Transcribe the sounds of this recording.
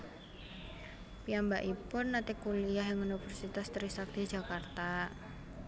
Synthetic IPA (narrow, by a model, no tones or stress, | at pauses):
piambaʔipʊnːat̪ɪkːuliaɦjaŋunifərsit̪ast̪əɾisak̚d̪̥i̥d͡ʒa̤kart̪a